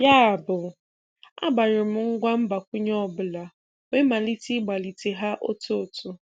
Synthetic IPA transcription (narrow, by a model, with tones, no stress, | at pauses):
ja˦a˨bʊ˨ | a̰˦ɡ͡ba˨ɾɪ˨m̩˦ŋ̩˦ɡʷa˦m̩˦ba˨kʷʊ˦ɲɔ˦bʊ˨la˨ | we˦ma˨li˦ti˦ɡ͡ba˨li˨te˨ɦa˦ʔo̰˦to˦˨tʊ˦